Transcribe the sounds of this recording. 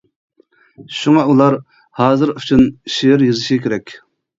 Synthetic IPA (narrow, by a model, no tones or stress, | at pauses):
ʃuŋɑulˠɑɾ | hɑːzɨɾyt͡ʃʰynʃejɾjɨzɪʃɡikʲʰeɾɛkʲ